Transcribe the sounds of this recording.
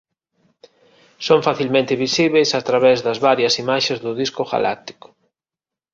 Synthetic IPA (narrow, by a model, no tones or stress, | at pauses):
soɱfaθilmẽnt̪ɪβisiβejsat̪ɾaβɛzðɐzβaɾjɐsimaʃezðʊðiskʊɣa̰la̰k̚t̪i̥kʊ̥